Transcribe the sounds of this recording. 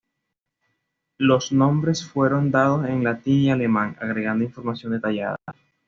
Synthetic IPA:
lo̞snõ̞mbɾe̞sfwe̞ɾo̞nd̪að̞o̞se̞ŋlat̪iŋiale̞mãŋa̰ɣɾe̞ɣand̪oiɱfo̞ɾmasjo̞nd̪e̞t̪aʝa̰ða̰

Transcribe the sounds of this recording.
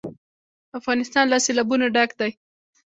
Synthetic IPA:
afɣɑnɪst̪ɑnlɑselɑbunaɖakd̪aj

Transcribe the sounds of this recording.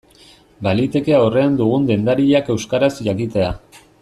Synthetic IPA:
balit̪e̞ke̞aore̞and̪uɣ̞und̪e̞nd̪aɾiʎake̞wskaɾasʝakit̪e̞a

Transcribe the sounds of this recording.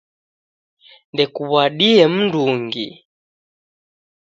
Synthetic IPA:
ndɛkuβwaɗiɛm̩nduŋɡḭ

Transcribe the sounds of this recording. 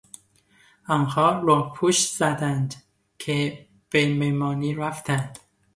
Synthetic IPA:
ænhɒːɾopʰuʃz̥æd̪ænd̪ | kʰe | b̥ememɒːniːɾæft̪ʰænd̪̥

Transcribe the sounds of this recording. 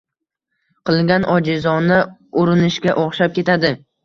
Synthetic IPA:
qʰɨlˠɡʲanʔɒd͡ʒɪzɒnɪʊɾɪnɪʃkʲaʔoχʃap̚kʲe̞t̪ʰad̪ɪ

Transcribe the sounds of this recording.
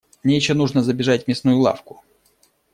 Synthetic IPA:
nʲejɪɕonuʐnəzəbʲɪʐatʲmʲɪsnujʊlˠa̰fkʊ

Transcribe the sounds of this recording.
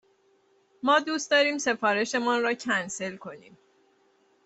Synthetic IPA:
mɒːd̪uːst̪d̪ɒːɾiːmse̞fɒːɾe̞ʃe̞mɒnɾɒːcʰænse̞lkʰo̞niːm

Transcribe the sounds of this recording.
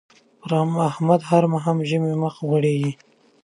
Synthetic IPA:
ɾamahmad̪ɦaɾmaɦamʒəmeməxwaɽeɡi

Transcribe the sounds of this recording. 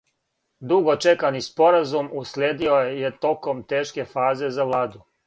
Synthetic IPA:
d̪uɡo̞t͡ʃe̞kanispo̞ɾazumuslʲeːd̪iojejet̪o̞ko̞mt̪eːʃke̞faːze̞zaʋlˠaːd̪u

